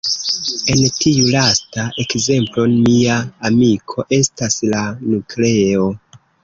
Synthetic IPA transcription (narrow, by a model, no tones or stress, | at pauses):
e̞ntʰiulastaʔe̞kze̞mplo̞miaːmikʰo̞ʔe̞staslanukle̞o